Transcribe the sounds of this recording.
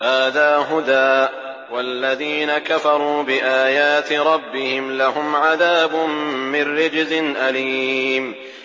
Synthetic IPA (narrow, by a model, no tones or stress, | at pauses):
haːðaːɦʊd̪aːʔ | walːaðiːnakafɑɾˤuːbɪʔaːjaːt̪ɾˤɑbːɪhɪmlaɦʊmʕaðaːbʊmːɪnːɪd͡ʒzɪnʔaliːm